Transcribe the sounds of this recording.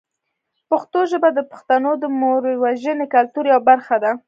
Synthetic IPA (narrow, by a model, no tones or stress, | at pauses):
pʊxt̪oʒəbad̪əpʊ̥xt̪anod̪əmoɾwaʒənekalt̪uɾjawbaɾxad̪a